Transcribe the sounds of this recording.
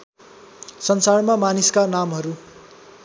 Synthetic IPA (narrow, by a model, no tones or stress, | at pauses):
sʌnsarmamaniskanamɦʌɾu